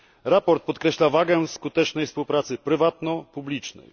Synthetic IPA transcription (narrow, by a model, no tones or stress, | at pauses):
ɾapɔɾt̪̚pɔt̪̚kɾɛɕlavaɡɛskut̪ɛt͡ʂnɛjfspuwpɾat̪sɘpɾɘvat̪nɔpublʲit͡ʂnɛ̰j